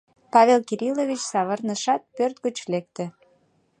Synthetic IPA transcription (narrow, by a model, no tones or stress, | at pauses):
pɑβelkiɾʲilovʲit͡ɕsɑβərnəʃɑt̪̚pørt̪̚ɡət͡ɕlek̚t̪ĕ